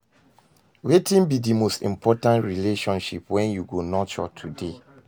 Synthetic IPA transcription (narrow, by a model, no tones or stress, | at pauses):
wetĩnbidimostḭ̃mpʰɔtãntɹileʃɔ̃nʃipwɛ̃njuɡonɔt͡ʃɔ̰tʰude